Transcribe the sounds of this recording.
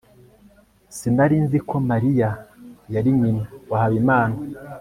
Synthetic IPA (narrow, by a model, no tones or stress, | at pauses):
sinaɾinzikʰo̞maɾijajaɾiɲinawahaβimaːna